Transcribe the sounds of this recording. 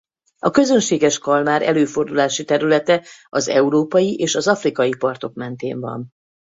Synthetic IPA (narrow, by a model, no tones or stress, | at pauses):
ɒkø̞zø̞nʃeːɡɛʃkɒlmaːɾɛ̰løːfo̞rd̪ulaːʃit̪ɛɾylɛt̪ɛɒzɛuɾoːpɒjiʔeːʃɒzɒfrikɒjipɒrt̪o̞kmɛnt̪ḛːɱvɒ̰n